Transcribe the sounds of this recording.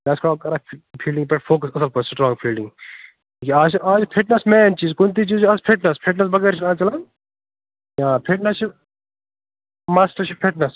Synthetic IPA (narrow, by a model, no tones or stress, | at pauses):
laːskoːkɐɾɐpʰiːlɖĩŋbɐʈpʰoːkɐsɐsɐlpʰossʈɾɔ̃ːŋɡpʰiːlɖĩŋɡ | kiaːsʔaːzpʰeʈnɐsmɛːnt͡ʃiːzkunt̪̬it͡ʃizaːzpʰeʈnɐspʰeʈ̬nɐsbɐɡɐːɾt͡ʃʰikãːnt͡ʃɐlɐn | ãːpʰeʈnɐst͡ʃʰi | maːsʈɐɾt͡ʃʰipʰeʈnɐs